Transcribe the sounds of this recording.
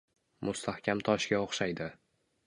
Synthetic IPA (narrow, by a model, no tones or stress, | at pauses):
mʊst̪ʰahkʲamt̪ʰɒʃɡʲaoχʃajd̪ɪ